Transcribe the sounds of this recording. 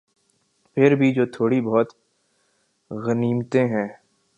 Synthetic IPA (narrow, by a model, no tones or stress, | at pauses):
pʰɪɾbʱid͡ʒoːt̪ʰoːɽibɔːt̪ | ɣəniːmt̪ẽɦɛ̃ː